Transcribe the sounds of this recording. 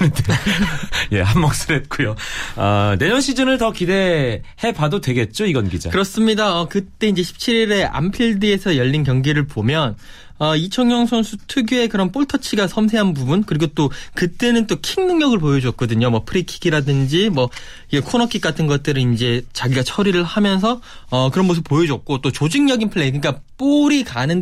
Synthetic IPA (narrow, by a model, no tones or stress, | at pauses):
nde | je̞̰hamːʌk̚s͈ɯɾet̚k͈ujoʌ̰ne̞ɲʌnɕʰid͡ʑɯnɯɭtʌkide̞he̞badotwe̞ɡe̞t̚t͡ɕ͈oiɡʌnɡid͡ʑa̰kɯɾʌs͈ɯmɲidaʌkɯt͈e̞ind͡ʑe̞ɕʰi̥p̚t͡ɕʰiɾiɾe̞ʔa̰mpʰiɭdiesʰʌjʌʎːinkjʌŋɡiɾɯɭpomjʌn | ʌit͡ɕʰʌŋjʌŋsʰʌnsʰutʰuɡjue̞kɯɾʌnp͈ʰoɭtʰʌt͡ɕʰiɡasʰʌmsʰe̞ɦanbubunkɯɾiɡot͈okɯt͈e̞nɯnt͈okʰiŋnɯŋɲʌɡɯɭp̬ojʌd͡ʑʌt̚k͈ʌdɯɲomwʌpʰɯɾikʰiɡiɾadɯnd͡ʑimwʌ | iekʰonʌkʰik͈atʰɯnɡʌt̚t͈ɯɾɯnind͡ʑe̞t͡ɕaɡiɡat͡ɕʰʌɾiɾɯɭhamjʌns̬ʰʌ | ʌkɯɾʌnmosʰɯp͈ojʌd͡ʑʌk̚k͈ot͈ot͡ɕod͡ʑiŋɲʌɡinpʰɯɭːekɯɲik͈ap͈oɾikanɯn